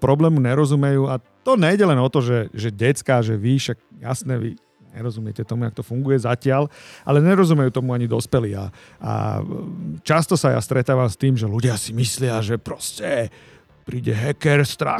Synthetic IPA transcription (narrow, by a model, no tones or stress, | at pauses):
pɾɔblɛːmuɲɛɾɔzumɛjuːat̪ɔɲɛjɟɛlɛnɔt̪ɔʒɛʒɛɟɛtt͡skaʒɛʋiʃaɡ̚ja̰snɛʋḭ | ɲɛ̰ɾɔzumjɛcɛt̪ɔmuakt̪ɔfuŋɡujɛzacɪalʔa̰lɛɲɛɾɔzumɛjuːt̪ɔmuaɲid̪ɔspɛliːa̰ | a̰ | t͡ʃast̪ɔsaja̰st̪ɾɛt̪aːʋamst̪iːmʒɛluɟɪasimislɪaʒɛpɾɔscɛ | pɾiːɟɛɦɛkɛɾst̪ɾa̰